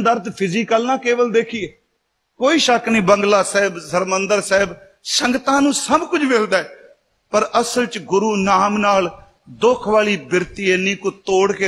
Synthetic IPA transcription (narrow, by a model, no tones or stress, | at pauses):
d̪əɾt̪pʰɪziːkəlnaːkeːʋəld̪eːkʰiː | koːiːʃəknĩːbəŋɡlaːsɛːbsəɾmənd̪əɾsɛːb | səŋɡt̪ãːnũːsəbkʊd͡ʒʰmeld̪aːɛː | pəɾəsəlt͡ʃɡʊɾuːnaːmnaːl | d̪okʰʋaːliːbɪɾt̪iːeːnĩːkʊt̪oːɽkeː